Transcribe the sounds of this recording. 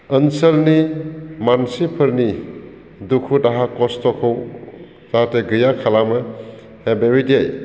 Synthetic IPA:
ənsəlnimansipʰɯɾni | dukʰudaɦakɔstɔkʰɯw | z̥ateɡɯjakʰalamɯ | hebewidiej

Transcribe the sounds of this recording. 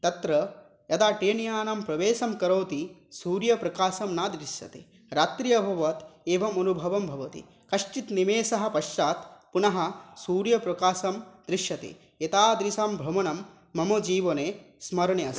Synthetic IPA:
t̪ɐt̪ɾɐ | jɐd̪aːʈeːnijaːnɐmpɾɐʋeːsɐmkɐɾoːt̪isuːɾjɐpɾɐkaːsɐmnaːd̪ɾiʃjɐ̰t̪ḛ | ɾaːt̪ɾijɐbʱɐʋɐt̪eːʋɐmɐnubʱɐʋɐmbʱɐʋɐt̪ḭ | kɐʂt͡ʃit̪nimeːsɐɦɐ̆pɐʃt͡ʃaːt̪punɐɦɐ̆suːɾjɐpɾɐkaːsɐmd̪ɾiʃjɐt̪ḛ | et̪aːd̪ɾisaːmbʱɾɐmɐnɐmː | ɐmɐd͡ʒiːʋɐneː | smɐɾɐɳjɐs

